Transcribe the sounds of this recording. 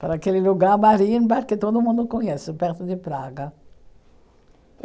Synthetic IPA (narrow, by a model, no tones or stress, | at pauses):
paɾɐakelɪluɡaɾmaɾĩnbaɾkɪt̪od̪ʊmũnd̪ʊkõɲɛsɪpɛɾt̪ʊd̪ɪpɾaɡɐ